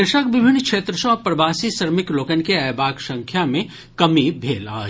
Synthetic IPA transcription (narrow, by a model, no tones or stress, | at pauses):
eʃəkʋɪbʱɪnːkʃeːt̪ɾəʃɔ̃pɾɐbaːsisəɾmɪkloːkənkeɛːbaːɡsɐ̃ŋkʰjamẽ | kɐmibʱeːla̰ː